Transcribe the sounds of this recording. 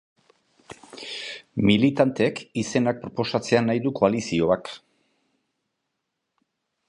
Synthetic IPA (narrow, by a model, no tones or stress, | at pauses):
milit̪ant̪e̞kise̞nak̚pɾo̞po̞sat͡se̞anajðuko̞alisio̞ak